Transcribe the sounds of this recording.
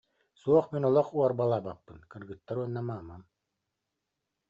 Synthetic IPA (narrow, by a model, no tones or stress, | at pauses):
suɔχminɔlˠɔχuɔɾbalˠaːbapːɯnkɯɾɡɯt̪ːaɾuɔnːamaːmam